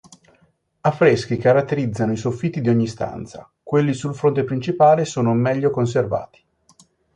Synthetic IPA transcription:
afːɾesk̟ikaɾat̪ːeɾid̪zːanoisofːit̪ːid̪ioɲːist̪a̰nt̪sa̰ | kwelːisulfɾont̪̬epɾint͡ʃipaːlesoːnomɛʎːokons̬erva̰ːt̪i̥

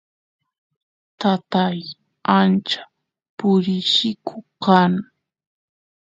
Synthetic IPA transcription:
t̪at̪aj | ant͡ʃḁ | pʊɾɪʃɪkʰʊkaŋ

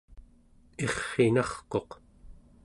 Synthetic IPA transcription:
e̞χːenɑχqo̞q

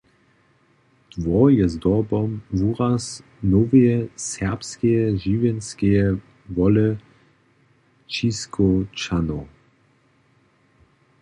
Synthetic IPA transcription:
d̪̥vɔjɛzd̪ɔbɔmvuʁas | noveɛsɛʁpskejɛʒiːvjɛnskejɛ | vɔlə | t͡ʃiskʰot͡ʃano

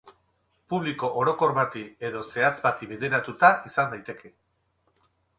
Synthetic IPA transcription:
puβliko̞ʔoɾo̞ko̞ɾβat̪ie̞ðo̞se̞at͡sbat̪iβed̪eɾat̪ut̪aʔisand̪ajt̪e̞kʰe̞

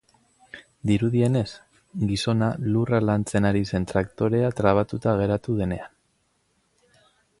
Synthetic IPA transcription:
d̪iɾuðie̞ne̞s | ɡiso̞naluralant͡se̞naɾise̞nt̪ɾak̚t̪o̞ɾe̞at̪ɾaβ̞at̪ut̪aɣ̞e̞ɾat̪uðe̞ne̞an

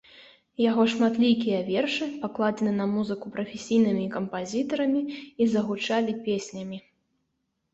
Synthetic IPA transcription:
jaɣɔʂmat̪lʲikʲijɐvʲɛrʂɨpaklˠad͡zʲɛnɨnɐmuzɨkupɾɐfʲesʲijnɨmʲikɐmpazʲit̪ɐɾɐmʲiːzɐɣut͡ʂalʲipʲesʲnʲɐmʲi

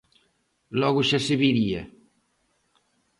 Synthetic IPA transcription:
lɔɣuʃaseβiɾiɐ

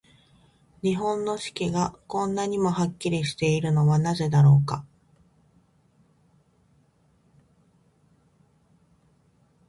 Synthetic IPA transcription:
ɲ̟iɦõ̞nːo̞ɕi̥kʲiɡakõ̞nːaɲ̟imo̞hakʲːiɾʲiɕi̥t̪e̞iɾɯ̟no̞βanaze̞d̪aɾo̞ːka

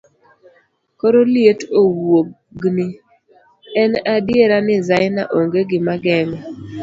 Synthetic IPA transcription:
koɾolɪetowo | ɡnɪ | ɛnadjeɾanɪzajna̰ʔoŋɡeɡɪmaɡɛŋɔ

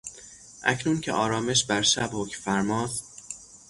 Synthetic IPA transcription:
ʔæ̰cʰnuːncʰḛʔɒːɾɒːme̞ʃbæɾʃæbhokfæɾmɒːst̪

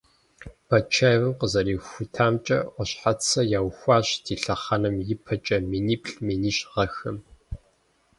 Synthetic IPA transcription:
bʰɐt͡ʃʰajwɨmqəzɐɾiːxʷʊtʰaːmt͡ʃʼɐ̰ʔʷɔɕħat͡sʰɐjaːwxʷɑːɕdʰiːɬɐχɐnɨmjɪpʰɐt͡ʃʼɐminiːpɬminiːɕʁɐxɐm

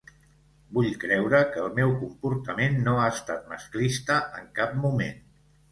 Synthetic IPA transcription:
buʎkɾɛwɾəkəːlˠmɛwkumpuɾt̪əmenːoaəst̪at̪̚mə̰sklist̪əəŋkap̚mumḛn

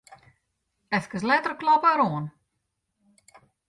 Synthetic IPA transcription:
ɛθkəs̬lɛt̪ərklɔpaɾoːən

